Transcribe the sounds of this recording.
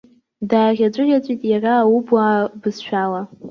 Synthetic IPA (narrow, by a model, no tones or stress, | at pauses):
daːɣʲat͡ʃʷʼɨrʲat͡sʷʼitʼjaraːwubabɨzʃᶣala